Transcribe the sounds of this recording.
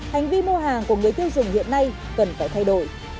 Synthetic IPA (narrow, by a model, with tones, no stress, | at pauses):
ha˨˩jŋ̟vi˧mo˧ɦaː˨˩ŋku˧˩əŋɨ˨˩əjt̪i˧əwzʊ̰˨˩ŋ͡mhḭ˧˨ənːa˧j | kə˨˩nfaː˧˩jt̪ʰjɗo˧˩j